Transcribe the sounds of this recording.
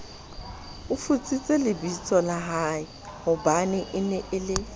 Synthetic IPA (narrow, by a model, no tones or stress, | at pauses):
ʊfut͡sʼit͡sʼelɪbit͡sʼɔlaɦaɪ | hʊbanɪʔɪnɛʔɪlɪ